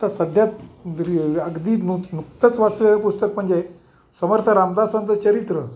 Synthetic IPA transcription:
t̪asəd̪ʱjat̪ɾiəɡd̪iːnunukt̪ət͡sʋat͡suaʋipust̪əkm̤əɳd͡ze | səməɾt̪ʰəɾamd̪asãnt͡sət͡ɕəɾit̪ɾə

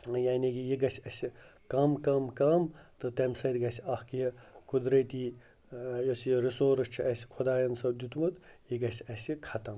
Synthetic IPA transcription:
jaːnʲikijiɡɐsʲiɐsʲikɐmkɐmkɐmt̪ɨt̪ɐmʲsɐd̪ʲɡɐsʲiɐhkijɐkud̪ɾɐt̪iː | josʲiɾisoːɾɐst͡ʃʰiʔɐsʲi̥kʰud̪aːjɐnsɐbd̪ʲit̪umɐt̪jiɡɐsʲiɐsʲikʰɐt̪ɐm

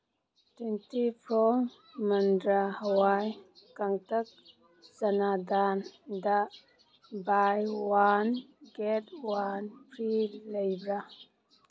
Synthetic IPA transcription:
twentipʰɾɔ | məndɾahəwajkaŋtɐk̚ | zanad̪anda | bajwanɡɛt̚wanpʰɾilejbɾa

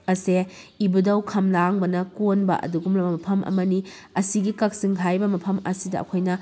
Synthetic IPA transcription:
ɐseibudɐwkʰɐmlaŋbɐnɐkonbɐ̰ʔɐ̰duɡumlɐbɐmɐpʰɐmʔɐ̰mɐni | ɐsiɡikɐk̚siŋɦʰajbɐmɐpʰɐmɐsidɐɐ̰kʰojnɐ

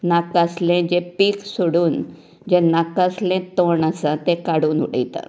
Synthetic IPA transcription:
nakəslẽd͡ʑepiːksuɽuːn | d͡ʑenakəslẽt̪oɳəsãt̪ekaɽuːnṵɽə̰t̪a̰

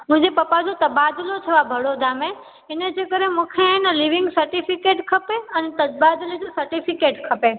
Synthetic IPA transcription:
mʊ̃ɦɪ̃d͡ʑepɐpad͡ʑot̪əbad̪lot̪ʰɐʋabʱəɽod̪ʱamẽ | ɪned͡ʑekəɾẽmũkʰenəliʋɪ̃ŋɡsəɾʈifʰikeːʈkʰəpeɐnet̪əbad̪lid͡ʑosəɾʈifʰɪkeːʈkʰəpe

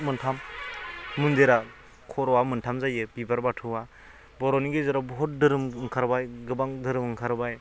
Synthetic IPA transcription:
mɯntʰamː | undeɾa | kʰɔɾɔwamɯntʰamzajebibaɾbatʰɯwa | bɔɾɔniɡezeɾabɔɦɔt̚dɯɾɯmŋkʰaɾbajɡɯbaŋdɯɾɯmɯŋkʰaɾbaj

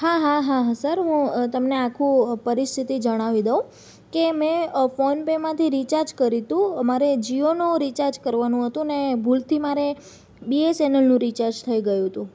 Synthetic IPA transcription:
ɦaɦaɦaɦasəɾɦũt̪əmneakʰũpəɾist̪ʰit̪id͡ʒəɽ̃aʋid̪əũ | kemẽfonpemãt̪ʰiɾit͡ʃaɾd͡ʒkəɾit̪ũəmaɾed͡ʒionũɾit͡ʃaɾd͡ʒkəɾʋanũɦət̪ũnebʱult̪ʰimaɾe | biesenəlnũɾit͡ʃaɾd͡ʒt̪ʰəiɡəjũɦət̪ũ

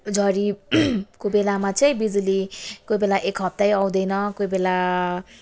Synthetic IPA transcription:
d͡zʱʌɾi | kobelamat͡sʌj̃bid͡zulikojbelaʔekɦʌp̚t̪ajaw̃d̪ʌjnʌkojbela

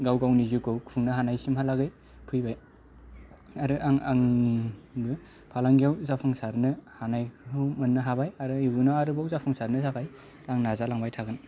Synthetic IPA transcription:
ɡawɡawnizukɯwkʰuŋnɯɦanajsimɦalaɡɯj | pʰɯjbaj | aɾɯʔaŋa̰ŋ | bɯ | pʰalaŋɡijawzapʰɯŋsaɾnɯhanajkʰɯwmɯnːɯɦabajaɾɯiɡunɔaɾɯbawzapʰɯŋsaɾnɯzakaj | aŋnazalaŋbajtʰaɡɯn

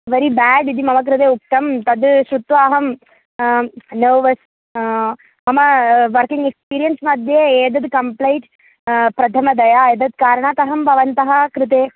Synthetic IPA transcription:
ʋeɾibæːɖid̪imɐmɐk̬ɾut̪̬eːuk̚t̪ɐmt̪ɐd̪ʃut̪ʋaːɦɐm | neːʋɐs | mɐmɐʋɐɾkiŋɡekspiːɾijɐnsmɐd̪ʱjeeːd̪ɐd̪kɐmplejʈ | pɾɐt̪ʰɐmɐd̪ɐjaːeːd̪ɐd̪kaːɾɐɳaːt̪ɐɦɐmbʱɐʋɐnt̪ɐɦɐkɾɪt̪̬eː

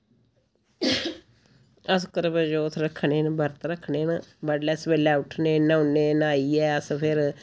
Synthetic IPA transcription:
əskəɾbəd͡ʒoːt̪ʰɾəkʰːɳeːnbəɾt̪ɾəkʰːɳeːnbəɖlɛːsbeːlɛːʊʈʰneːnaʊneːnaːiːɛːəspʰɪɾ

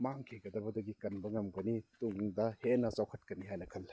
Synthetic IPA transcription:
maŋkʰeɡɐdɐbɐdɐɡikɐnbɐŋɐmɡɐnituŋdɐhenat͡ʃawkʰɐt̚kɐnihajnɐkʰɐl

